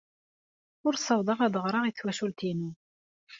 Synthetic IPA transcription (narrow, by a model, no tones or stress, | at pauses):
ʊɾsˤːɑwd̪ˤɑʁæðˤəʁɾˤɑʁiθwæʃʊlt̪inu